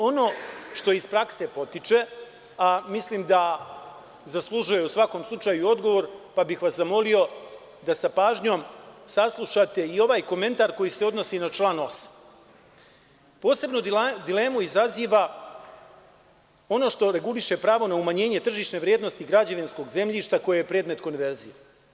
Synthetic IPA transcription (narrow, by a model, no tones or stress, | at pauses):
o̞no̞ːʃt̪o̞izpɾakse̞po̞t̪it͡ʃe̞ | amisliːmd̪a | zaslˠuʒujeusʋako̞ːmslˠut͡ʂaːjuo̞d̪ɡo̞ʋo̞ɾpabixʋaszamo̞lio̞ | d̪asapaːʒɲo̞ːmsaslˠuʃat̪e̞io̞ʋaːjko̞me̞nt̪aɾko̞jise̞o̞d̪no̞sinat͡ʃlˠaːno̞s | po̞ːse̞bnod̪ile̞ːmuizaziːʋa | o̞no̞ʃt̪o̞ɾe̞ɡuliʃe̞pɾaːʋo̞naumaɲe̞ːɲe̞t̪r̩ʒiːʃne̞ʋɾijed̪no̞st̪iɡɾad͡ʑaʋinsko̞ɡze̞mʎiʃt̪ako̞jejepɾe̞ːd̪me̞t̪ko̞nʋe̞ɾzije